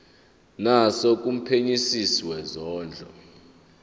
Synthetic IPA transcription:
nasok̬ʼum̩pʰeɲisisiwɛzɔːnd͡ɮʱɔ̰

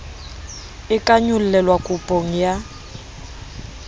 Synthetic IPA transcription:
ɪkʼaɲʊl̩lɛlwakʼupʼoŋ̩ja

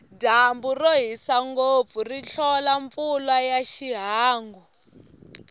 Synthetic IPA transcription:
damburoɦisaŋɡob̪vuriɬʰɔlaɱfulwajaʃiɦaːŋɡu

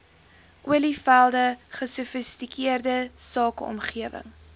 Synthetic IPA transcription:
ʔuəlifælˠdəχəsufəstikiərdəsɑːkɔ̰mχiəvə̰ŋ

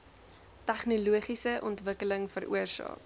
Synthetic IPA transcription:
tæχnuluəχisəʔɔntvəkələŋfəɾʔṵərsɑ̰ːk

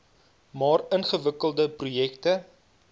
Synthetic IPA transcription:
mɑːrənχəvəkəlˠdəprujɛktə

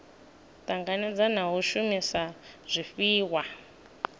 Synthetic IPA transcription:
taŋɡanɛd͡zanaɦuʃumisaz̥ʷifiːwa

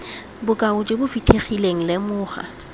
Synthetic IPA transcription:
bʊkʼaʊt͡ʃʼɪbʊfitʰeχileŋ̩lɪmʊːχa̰

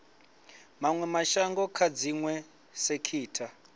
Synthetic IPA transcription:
maŋwɛmaʃaŋɡɔkʰad͡ziŋwɛ | sekʰiːtʰa

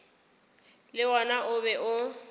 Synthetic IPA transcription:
lɪwɔnaʔʊbɛʔʊ

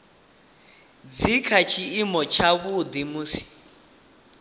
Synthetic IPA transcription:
d͡zikʰat͡ʃʰiːmɔt͡ʃʰaβud̪imusi̥

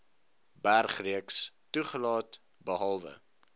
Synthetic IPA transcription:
bærχriəkstuχəlɑːt | bəɦɐlˠvə̰

